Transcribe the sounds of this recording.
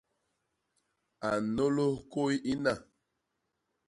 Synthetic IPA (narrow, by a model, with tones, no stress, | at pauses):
a˨no˦lo˦ko˦i˦ʔi˦na˦˨